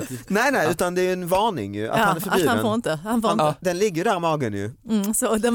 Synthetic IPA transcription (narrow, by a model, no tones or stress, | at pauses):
næɪnɛjʉ̟ːt̪and̪ɛæɾjɵɛnvɑːɳɪ̰ŋjə̰a̰hanæɾffœɾbiːafoːɾɪnt̪əhanfoɾnd̪ɛnlɪɡːəjd̪æːɾɪmɑːɡənjɵ̰sɔd̪ɛ